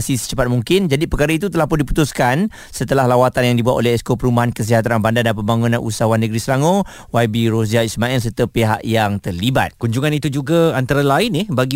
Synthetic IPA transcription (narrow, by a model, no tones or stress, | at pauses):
sisə̥t͡ʃəpat̪̚muŋkɪnd͡ʒadipəkaɾait̪̬ut̪əlahpʊndipu̥t̪uskan | sət̪əlahlawat̪anjaŋdibuat̪̚o̰lɛhɛskopəɾumbaɦankəs̬iɦat̪̬ɾanbandadanpəmbaŋũnãnʔṵsawanːəɡɾisəlaŋõ | wajbiɾos̬iaismaɛls̬əɾt̪əpeɦa̰ʔjaŋt̪ərliba̰t̪̚kuɲd͡ʒuŋãnit̪ud͡ʒuɡaant̪aɾalaɪnːɪhbaɡi